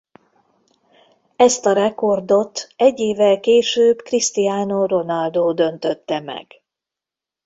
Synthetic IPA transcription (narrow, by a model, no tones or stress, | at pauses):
ɛst̪ɒɾɛko̞rd̪o̞t̪ɛɟːeːvːɛlkeːʃøːbkrist̪ijaːnoro̞nɒld̪oːd̪ø̞nt̪ø̞t̪ːɛmɛ̰ɡ̥